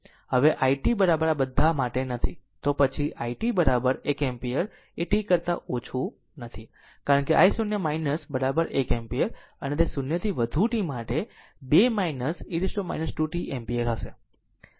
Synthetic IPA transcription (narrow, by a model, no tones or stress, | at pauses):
həʋeʔaiʈibəɾabəɾabəd̪ʱːamaʈenət̪ʰit̪opət͡ʃʰiʔaiʈibəɾabəɾekɛmpijəɾ | eʈikəɾt̪a̰ʔot͡ʃʰũ | nət̪ʰi | kaɾəɳkeʔa̰isunjəmainəsbəɾabəɾekɛmpijəɾ | ənet̪esʊnjət̪ʰiʋəd̪ʱuʈimaʈe | bemainəsiɾɪsʈoma̰inəsʈuʈiʔɛmpijəɾɦəʃe